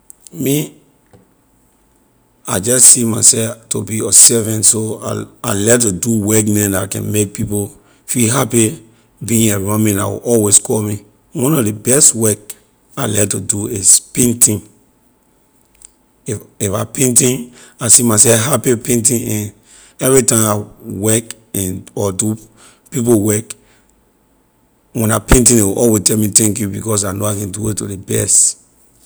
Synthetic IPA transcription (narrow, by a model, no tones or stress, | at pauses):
mi | ad͡ʒɔssimasɛftobiɔsɛvɛ̃ntsoa̰alɛtuduwɛkmɛ̃ndakɛ̰̃nmek̚pipo | fiɦapi | bĩĩeɹɔ̃mɛ̃na̰wḭʔɔlweskʰɔmi | wɔ̃nɔvdebɛstwɛk̚ | alɛtuduispẽntĩn | iifapẽntĩnasimasɛɦapipẽnt̬ĩnɛ̃n | ɛvɹitãawɛk | ɛ̃nɔdu | pip̬owɛk | wɛ̃napẽntĩdewʔɔlwestɛmitɛ̃ŋkjubikɔs̬anoakɛ̃nduetudebɛ̰st